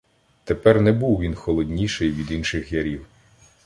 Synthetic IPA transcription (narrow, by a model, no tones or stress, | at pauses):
t̪epɛrnɛbuwʋʲinxɔlˠɔdʲnʲiʃɪjʋʲid̪inʃɪxjɐɾʲiw